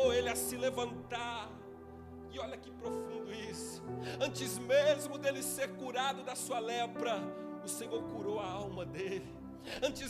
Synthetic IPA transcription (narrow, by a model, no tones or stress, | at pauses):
elɪasĩlevɐ̃nt̪aɾ | ɪɔʎɐkɪpɾofũnd̪ʊisʊ̥ɐ̃nt͡ʃɪzmezmʊd̪elɪseɾkuɾad̪ʊd̪ɐsuɐlɛpɾɐʊsẽɲoɾkuɾowɐawmɐd̪elɪ | ɐ̃nt͡ʃɪ